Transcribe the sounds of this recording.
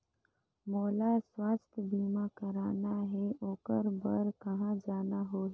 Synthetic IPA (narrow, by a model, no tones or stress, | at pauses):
moːlaswaːst̪ʰbiːmakəɾaːnaɦɛoːkəɾbɐɾkɐɦãd͡ʒaːnaɦoːɦ